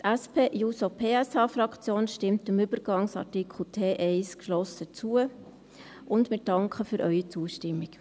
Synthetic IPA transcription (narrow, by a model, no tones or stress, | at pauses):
tʰæspʰeːʔjuːsopʰeːɛsɑːfɾɑkt͡sjoːnʃtɪmtɪmʏb̥əɾɡ̥ɑŋsɑ̰ɾtikχl̩ˠtʰeːʔɛɪskʃlɔsət͡suə | ʊndmɪɾd̥ɑŋkχəfyɾʔœʏit͡suəʃtɪmːik